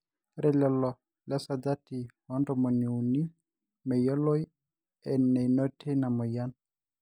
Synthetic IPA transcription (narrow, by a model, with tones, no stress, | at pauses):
ɾɛ˨lɛ˨lɔ˨ | lɛ˦sa˨da˦ti˨wɔ˦ndɔ˨mo˨ni˨u˨ni˦ | mɛ˨jɔ˦lo˦j | ɛ˨nːɛ˨jno˦tʰe˦na˨mɔ˨ja˦n